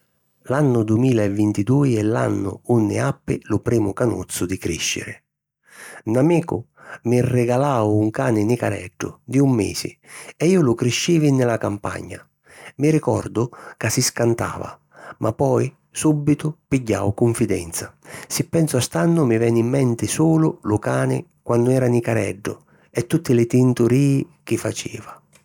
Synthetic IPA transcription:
lanːʊd̪uimiːlaɛvːint̪id̪uːiɛlːa̰nːʊ̰unːɪ̰apːɪ̰lʊpɾiːmʊkanṵt̪sʊd̪ɪkɾiʃːɪ̰ɾɪ̰ | namiːkʊ | mɪrːɪɡalaːwuŋkaːnɪnɪkaɾɛ̰ɖːʊ̰d̪iumːḭːsɪ̰ɛiːʊlʊkɾɪʃːiːvinɪlakampa̰ɲːa̰ | miɾikɔrd̪ʊkasiskant̪a̰ːva̰ | mʔapːɔj | subːit̪ʊpiɟːa̰ːwkʊɱfid̪ɛ̰nt̪sasɪpːɛnsʊast̪anːʊmɪvɛnːimːɛnt̪ɪsuːlʊlʊkaːnɪ̰kwanːʊɛːɾanikaɾɛ̰ɖːʊ̰ | ɛt̪ːut̪ːɪlɪt̪int̪ʊɾiːɪkɪfat͡ʃḭːva

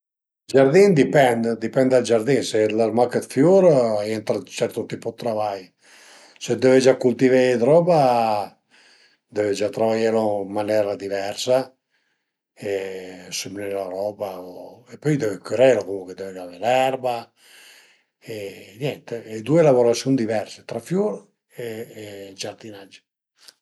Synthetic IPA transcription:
d͡ʒaɾd̪ind̪ipɛnd̪d̪ipɛnd̪ald͡ʒaɾd̪inselarmakət̪fjuɾɛnt̪ɾat͡ʃɛɾt̪ot̪ipot̪ɾavaj | sed̪ɛved͡ʒakult̪ived̪ɾɔba | d̪ɛved͡ʒat̪ɾavajeɾomanɛɾad̪ivɛɾsa | esemnɛlaɾɔːbaoepːɔjd̪ɛvekɾeɾokomuŋked̪ɛved͡ʒavelɛɾba | enjɛnt̪eːd̪uelavoɾasjund̪ivɛɾset̪ɾafjuɾ | ed͡ʒaɾd̪inad͡ʒːe̥

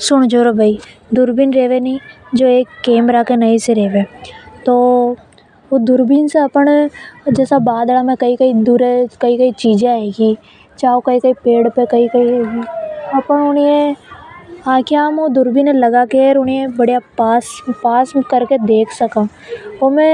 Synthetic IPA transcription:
sʊɽ̃d͡ʒoːɾobʱaid̪ʊɾbiːnɾeːʋenid͡ʒoːeːkːeːmɾakenɐiseɾeːʋeːt̪oː | oːd̪ʊɾbiːnseɐpəɳd͡ʒɛːsabaːd̪lamẽkɐikɐid̪uːɾekɐikɐit͡ʃiːd͡ʒẽẽɡiː | t͡ʃaːokɐikɐipeːɽpekɐikɐi | ɐpəɳʊnie | ãːkʰeaːmod̪ʊɾbiːnelɐɡakeɾʊniebɐɽjapaːspaːsmkɐɾked̪eːkʰsɐkãː | omɛ̃

